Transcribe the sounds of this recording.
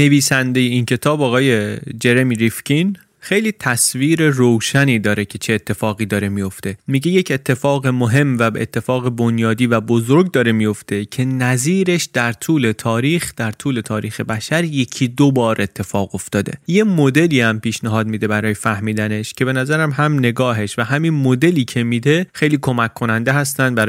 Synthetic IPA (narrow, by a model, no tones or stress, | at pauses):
ne̞viːsænd̪e̞je̞incʰe̞t̪ʰɒːbɒːɣɒːje̞d͡ʒe̞ɾemiɾifcʰin | xejliːt̪ʰæsviːɾe̞rowʃæniːd̪ɒːɾecʰe̞t͡ʃʰe̞ːt̪ʰːe̞fɒːɣiːd̪ɒːɾe̞mijo̞ft̪e̞miɟe̞je̞cʰe̞t̪ʰːe̞fɒːɣemoɦe̞mvæbeḛt̪ʰːe̞fɒːɣe̞bo̞njɒːd̪iːvæbo̞zoɾɟd̪ɒːɾe̞mijo̞ft̪e̞cʰe̞næziːɾe̞ʃd̪̥æɾt̪ʰuːle̞t̪ʰɒːɾiːxd̪̥æɾt̪ʰuːle̞t̪ʰɒːɾiːxe̞bæʃæɾje̞cʰiːd̪obɒːɾʔe̞t̪ʰːe̞fɒːɣo̞ft̪ɒːd̪e̞̰je̞mod̪e̞liːæmpiːʃnæɦɒːd̪̚miːd̪e̞bæɾɒːjefæhmiːd̪æne̞ʃcʰe̞be̞næzæɾæmhæmne̞ɡɒːɦe̞ʃvæɦæminmod̪e̞liːcʰe̞miːd̪e̞xe̞jliːkʰo̞mækʰːo̞nænd̪eɦæst̪ænd̪̚bæɾ